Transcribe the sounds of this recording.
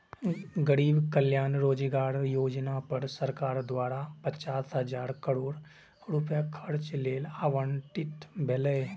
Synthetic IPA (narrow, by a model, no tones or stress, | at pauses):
ɡəɾiːbkəljaːnɾoːd͡ʒiɡaːɾjoːd͡ʒnapɐɾsəɾkaːɾd̪waːɾapət͡ʃaːsɦəd͡ʒaːɾkəɾoːɽ | ɾʊpjakʰɐɾt͡ʃleːlaːʋəɳʈɪʈbʱɛlə